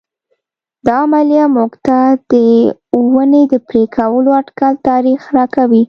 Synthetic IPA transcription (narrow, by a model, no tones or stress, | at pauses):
d̪̥ɑmaljamuɡt̪ad̪̥əwəned̪əpɾekʰawəloaʈkalt̪ɑɾixɾɑkawi